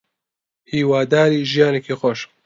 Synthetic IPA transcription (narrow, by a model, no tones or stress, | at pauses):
hiːwaːd̪aːɾiːʒijaːnekʰixɔʃ